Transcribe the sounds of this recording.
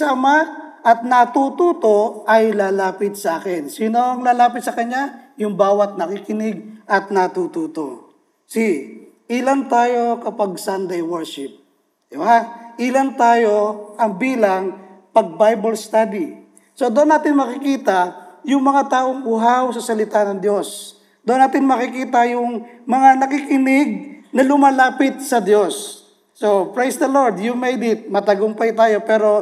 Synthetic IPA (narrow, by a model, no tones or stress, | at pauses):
saɐma | ʔɐt̪̚nɐt̪uːt̪uːt̪o̞ɐjlaːlaːpɪt̪̚sɐʔaːkɛnsiːnoɐŋlaːlaːpɪt̪sɐkɐɲːajʊŋbaːwɐt̪̚nɐkikɪnɪɡ̚ʔɐt̪̚nɐt̪ut̪uːt̪o̰ | si | ʔɪlant̪aːjo̞kɐpaɡ̚sand̪ɛjwɛɹʃɪp̚ | d̪̥ɪbaʔɪlant̪aːjo̞ʔɐŋbiːlɐŋpɐɡ̚bajbɐlst̪ad̪i | so̞d̪oʔonːaːt̪ɪnmɐkɪkiːt̪ɐjʊŋmɐŋat̪aːʔoŋbʊɦawsɐsɐlɪt̪anɐŋd̪jo̞s | d̪oʔnaːt̪ɪnmɐkɪkiːt̪ɐjʊŋmɐŋanɐkikɪnɪɡ̚nɐlʊmaːlaːpɪt̪̚sɐd̪jo̞sː | opɹajsd̪ɐloɹd̪jumejd̪ɪt̪̚mɐt̪ɐɡoŋpɐjʊt̪aːjo̞pɛːɾo̞